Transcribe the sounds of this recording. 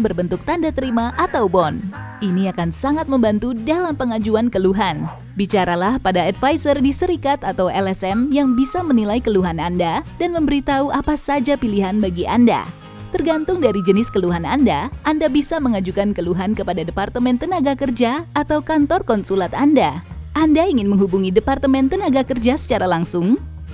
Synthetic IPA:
bərbənt̪ʊk̚t̪andat̪əɾimaʔat̪awbɔnʔiniakansaŋat̪̚məmbant̪udalampəŋad͡ʒuankəluɦan | bit͡ʃaɾalahpadaɛdfajsərdisəɾikat̪at̪awɛlɛsɛmjaŋbisamənilaikəluɦanandadanməmbəɾit̪auʔapasad͡ʒapiliɦanbaɡiʔa̰nda̰ | t̪ərɡant̪ʊŋdaɾid͡ʒənɪskəluɦanandaʔandabisaməŋad͡ʒukankəluɦankəpadadəpart̪əmɛnt̪ənaɡakərd͡ʒaːt̪awkant̪ɔrkɔnsulat̪andaʔandaiŋɪnməŋɦubuŋidəpart̪əmɛnt̪ənaɡakərd͡ʒasə̥t͡ʃaɾalaŋsʊŋ

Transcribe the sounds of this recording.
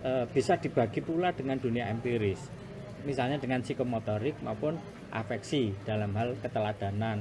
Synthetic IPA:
əb̥i̤sad̪̥i̤b̥ä̤ɡ̥ipulad̥ə̤ŋand̪̥ṳniaɛmpiɾɪs | misalɲad̥ə̤ŋansikomot̪ɔɾɪk̚maupʊn | ʔa̰fɛksid̪̥a̤lamɦalkət̪əlad̪̥a̤nan

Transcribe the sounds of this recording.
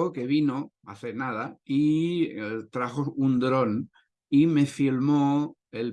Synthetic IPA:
oke̞β̞ino | a̰θenaðai | t̪ɾaxound̪ɾo̞n | ime̞filmo | el

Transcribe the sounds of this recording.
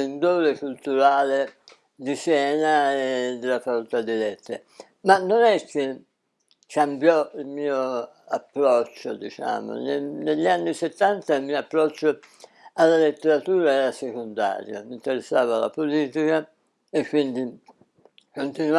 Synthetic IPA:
end̪oːɾekult̪uɾaːle | d̪isjɛːnaed̪ːelːafakolt̪ad̪ːilɛt̪ːe | manːonɛkːe | kambjɔilmiːo | apːɾɔt͡ʃːo̰d̪it͡ʃa̰ːmo̰neneʎːanːiset̪ːant̪ailmiːoapːɾɔt͡ʃːo | alːalet̪ːeɾat̪uːɾaɛːɾasekond̪a̰ːɾjo̰mint̪eɾesːaːvala̰poliːt̪ika | ekːwind̪i | kont̪inu

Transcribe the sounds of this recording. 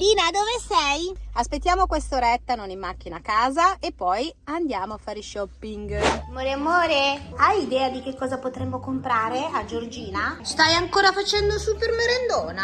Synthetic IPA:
liːnad̪ovesɛjaspet̪ːjaːmokwest̪oɾɛt̪ːanonimːak̟ːinakaːzaepːɔjand̪jaːmoafːaːɾiʃɔpːiŋɡmoɾeamoːɾeajid̪ɛːad̪ik̟ekːɔːzapot̪ɾɛmːokompɾaːɾead͡ʒord͡ʒiːnast̪ajaŋkoːɾafat͡ʃɛnd̪osupermeɾend̪oːna

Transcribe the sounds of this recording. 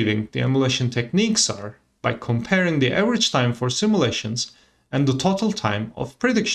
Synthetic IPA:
vɪ̃ŋðiɛ̰mjəleɪʃɨ̃ntʰɛk̚niksaɹ | b̥aɪkʰɔ̃mpʰɛɹɪ̃ŋðiʔævəɹɨdd͡ʒtʰãɪ̃ɱfɔɹsɪ̃mjəleɪʃɨ̃nz | ɨ̃nðətʰotəl̩ˠtʰãɪ̃mɔ̰v̥pʰɹ̥ɨdɪkʃ

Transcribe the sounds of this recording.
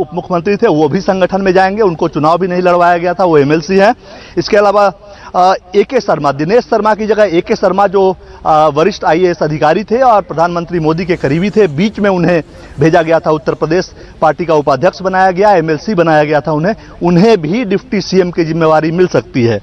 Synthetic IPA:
ʊpmʊkʰəmə̃nt̪ɾit̪ʰeʋobʱisɐ̃ŋɡʱəʈʰənmẽd͡ʒaːẽːŋɡeʊnkot͡ʃʊnaːʋbʱinɐɦĩlɐɽʋaːjaɡɐjat̪ʰaʋoeːmɛːlsiɦɛ̃ | ɪskeɐlaːʋa | eːkesɐɾmad̪ɪneːʃsɐɾmakid͡ʒɐɡəɦeːkesɐɾmad͡ʒoː | ʋɐɾɪʃʈaːieːsɐd̪ʱɪkaːɾit̪ʰeɔːɾpɾɐd̪ʱaːnmə̃nt̪ɾimoːd̪ikekɐɾiːbit̪ʰebiːt͡ʃmẽʊnɦẽ | bʱeːd͡ʒaɡɐjat̪ʰaʊt̪ːəɾpɾəd̪eːʃ | paːɾʈikaʊpad̪ʱjəkʃbɐnaːjaɡɐjaemɛːlsibɐnaːjaɡɐjat̪ʰaʊnɦẽ | ʊnɦẽbʱiɖɪpʰʈisiemkid͡ʒɪmːeːʋaːɾimɪlsɐkt̪iɦɛ̰ː

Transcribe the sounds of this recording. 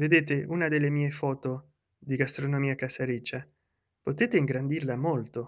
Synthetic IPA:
ved̪eːt̪euːnad̪elːemiːefɔːt̪o | d̪iɡast̪ɾonomiːakasaɾit͡ʃːa | pot̪eːt̪eiŋɡɾand̪irlamolt̪o

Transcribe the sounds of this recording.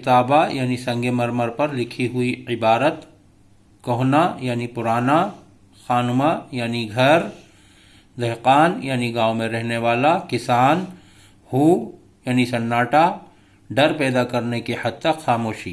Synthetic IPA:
ɪt̪aːbajaːnisɐ̃ŋɡemɐɾməɾpɐɾlɪkʰiɦʊiɪbaːɾət̪ | kɔɦnajaːnipʊɾaːna | xaːnʊmajaːniɡʱɐɾ | d̪ɛɦqaːnjaːniɡaːomẽɾɛɦneʋaːlakɪsaːn | huː | jaːnisɐnːaːʈa | ɖɐɾpɛːd̪akɐɾnekehɐd̪̚t̪ɐxaːmoːʃiː

